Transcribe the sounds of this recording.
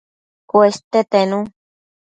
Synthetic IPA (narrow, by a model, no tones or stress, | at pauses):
kwest̪et̪enũ